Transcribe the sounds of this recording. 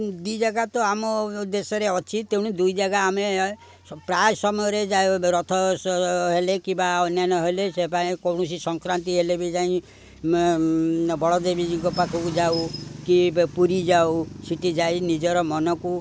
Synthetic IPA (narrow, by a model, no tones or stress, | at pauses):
d̪ujd͡ʒaɡat̪ɔamɔd̪esɔɾeɔt͡ʃʰit̪ew̃ud̪ujd͡ʒaɡaːme | pɾajsɔmɔjɔɾed͡ʒajɾɔt̪ʰɔsɦelekibaɔnjanɔɦelesepaĩkɔwɽ̃ɔsisɔŋkɾant̪iɦelebid͡ʒaĩ | bɔɭɔd̪ebid͡ʒiɡɔpakʰɔkud͡ʒawkipuɾid͡ʒawsiʈid͡ʒajnid͡ʒɔɾɔmɔnɔku